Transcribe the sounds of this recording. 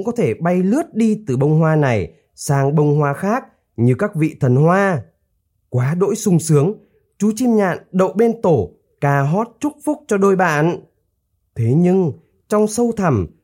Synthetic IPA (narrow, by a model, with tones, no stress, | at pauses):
ŋ͡mkɔ˨˦t̪ʰe˧˩ɓa˧jlɨ˦˥ət̚ɗi˧t̪ɨ˨˩ɓə˧wŋ͡mhwaː˧na˨˩j | saː˧˩ŋɓə˧wŋ͡mhwaː˨˧xaː˦˥k̚ | ɲɨ˧kaː˦˥k̚vḭ˧˨t̪ʰə˨˩nhwaː˧ | kwaː˨˦ɗo̰˧˥jsʊ˧ŋ͡msɨ˨˦əŋ | t͡ɕu˨˦t͡ɕi˧mɲa̰ː˧˨nɗə̰˧˨wɓe˧nt̪o˧˩ | kaː˨˩ɦɔ˦˥t̚t͡ɕʊ˦˥k͡p̚fʊ˦˥k͡p̚t͡ɕɔ˧ɗo˧jɓa̰ː˧˨n | t̪ʰe˨˦ɲɨ˧ŋ | t͡ɕɔ˧wŋ͡msə˧wt̪ʰa˧˩m